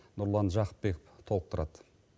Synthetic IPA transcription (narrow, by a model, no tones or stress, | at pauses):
nʊɾlˠɑnʒɑqə̥p̪̚be̞kəpt̪ʰolˠəq̚t̪ʰʊɾɑd̪̥ə